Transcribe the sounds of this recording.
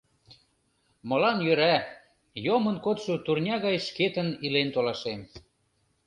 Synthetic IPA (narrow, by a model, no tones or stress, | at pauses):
mɤ̆lɑnjøɾæ | jomə̆nkot̪ʃut̪urnʲɑɣɑjʃket̪ənilent̪olɑʃem